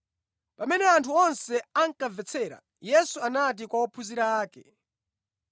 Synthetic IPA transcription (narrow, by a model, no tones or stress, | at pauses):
pamɛnɛantʰuɔnsɛaŋkavɛt͡sʰɛɾa̰ | jɛsuanat̬ikwaɔpʰuziɾaːkɛ